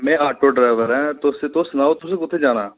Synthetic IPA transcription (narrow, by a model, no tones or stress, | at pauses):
mɛ̃ːaːʈoːɖɾaːɪʋəɾɛ̃ːt̪ʊsẽt̪ʊsnaːoːt̪ʊsẽːkʊt̪ʰːẽːd͡ʒaːnaː